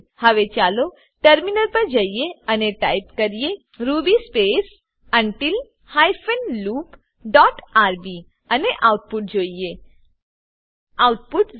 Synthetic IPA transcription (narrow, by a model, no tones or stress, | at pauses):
həʋet͡ʃaːlo | ʈəɾminəɾpəɾd͡ʒajjeəneʈajpkəɾije | ɾubispes | əɳʈil | hajfənluːp | ɖɔːʈaɾbi | əneʔawʈ̚puʈ̚d͡ʒoːije | awʈ̚puʈ